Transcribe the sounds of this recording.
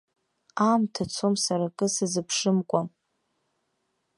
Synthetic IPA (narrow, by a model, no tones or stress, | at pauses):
amtʰat͡sʰomsaɾakʼɨsɨzɨpʰʂɨmkʷʼam